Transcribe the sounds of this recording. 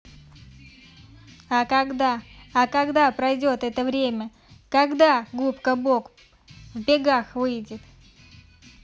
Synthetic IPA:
akɐɡd̪aːkɐɡd̪apɾɐjdʲo̞t̪ɛt̪əvɾʲemʲə | kɐɡd̪aɡupkəbo̞k | vbʲɪɡaxvɨjdʲɪt̪

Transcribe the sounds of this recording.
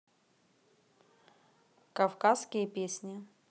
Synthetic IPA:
kɐfkaskʲɪjəpʲesʲnʲɪ

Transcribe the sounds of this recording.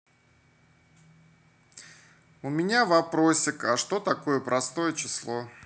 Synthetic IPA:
ʊmʲɪnʲavɐpɾo̞sʲɪkɐʂt̪o̞t̪ɐko̞jəpɾɐst̪o̞jət͡ɕɪslˠo̞

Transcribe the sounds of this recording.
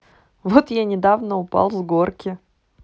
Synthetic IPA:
vot̪janʲɪd̪avnəʊpa̰lˠzɡorkʲɪ

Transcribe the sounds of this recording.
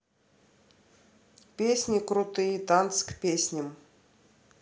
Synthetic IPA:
pʲesʲnʲikɾʊt̪ɨjit̪ant̪skpʲesʲnʲɪm

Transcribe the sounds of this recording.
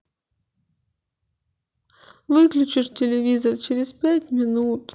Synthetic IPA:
vɨklʲʉt͡ɕɪʂtʲɪlʲɪvʲizərt͡ɕɪɾʲɪspʲætʲmʲɪnut̪

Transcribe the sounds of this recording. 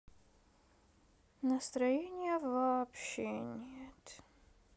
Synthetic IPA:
nəst̪ɾɐjenʲɪjəvɐpɕenʲet̪

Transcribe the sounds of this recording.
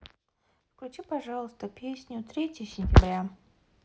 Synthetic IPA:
fklʲʊt͡ɕipɐʐalˠəst̪əpʲesʲnʲʊt̪ɾʲetʲɪjəsʲɪnʲtʲɪbɾʲa

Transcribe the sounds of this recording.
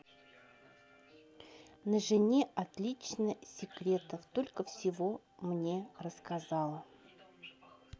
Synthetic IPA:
nəʐɨnʲeʔat̪lʲit͡ɕnəsʲɪkɾʲe̞t̪əft̪o̞lʲkəfsʲɪvo̞ | mnʲerəskazɑlˠə

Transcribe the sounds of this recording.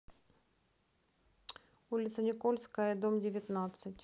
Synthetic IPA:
ulʲɪt̪sənʲɪkolʲskəjəd̪omdʲɪvʲɪt̪nat̪sɨtʲ

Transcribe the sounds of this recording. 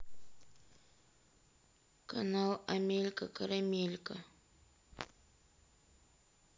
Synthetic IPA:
kanawamɪlkakaɾamɪlka

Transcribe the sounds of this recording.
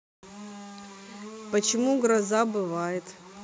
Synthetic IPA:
pət͡ɕɪmuɡɾɐzabɨvajɪt̪

